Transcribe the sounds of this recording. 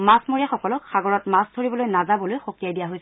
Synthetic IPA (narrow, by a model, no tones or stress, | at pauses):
masmoɹijaxɔkɔlɔkxaɡɔɹɔtmastʰoɹibɔlojnazabɔlojxokijajdijaɦojsɛ